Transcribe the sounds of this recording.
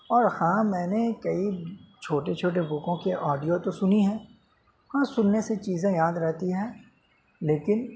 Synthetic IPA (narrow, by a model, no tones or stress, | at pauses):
ɔːɾhãːmɛ̃ːnekɐit͡ʃʰoːʈet͡ʃʰoːʈ̬ebʊkõkeʔɔːɖijot̪osʊniɦɛ̃ː | hãːsʊnːeset͡ʃiːzẽjaːd̪ɾɛɦt̪iɦɛ̃ː | leːkɪn